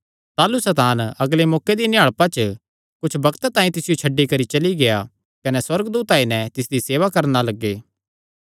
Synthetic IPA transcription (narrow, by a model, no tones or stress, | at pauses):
t̪aːlusɐt̪aːnɐɡlemɔːked̪inɪaːɭpat͡ʃə | kʊt͡ʃʰbɐkt̪t̪ãːĩt̪ɪsɪjot͡ʃʰɐɖːikɐɾit͡ʃɐliɡeja | kɐnɛswɐɾɡd̪uːt̪aːinɛ̃t̪ɪsd̪iseːʋakɐɾnalɐɡːeː